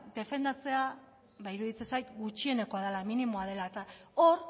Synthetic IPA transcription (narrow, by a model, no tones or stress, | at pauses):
d̪e̞fe̞nd̪at͡se̞a | βaiɾuðit͡sesajt̪ɡut͡ʃie̞ne̞ko̞aðalaminimo̞aðe̞laet̪aoɾ